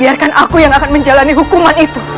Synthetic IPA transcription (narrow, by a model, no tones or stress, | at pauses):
biarkanʔakujaŋakanməɲd͡ʒalaniɦukumanit̪u